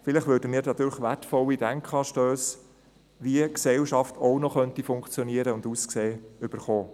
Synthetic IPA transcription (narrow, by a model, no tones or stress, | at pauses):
fɪləχʋøːɾdəmiːɾnɑt̪yːləχʋætfɔlid̥æŋkχɑːʃtøːs | ʋiəksɛwʃɑftʰɔnɔχœntifʊŋkt͡sjɔniəɾəʊnduːskseːʏb̥əɾχoː